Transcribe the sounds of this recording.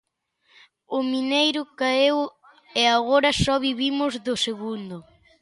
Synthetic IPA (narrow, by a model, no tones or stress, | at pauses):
ʊminejɾʊkaew | ɛaɣoɾɐsɔβiβimʊzðʊseɣund̪ʊ